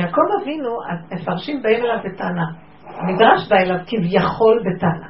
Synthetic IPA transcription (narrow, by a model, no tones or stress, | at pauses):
jako̞mavinua̰mefaʁʃimbaemelavbetaːna | amidʁaʃbaelavkivjaχo̞lbetaana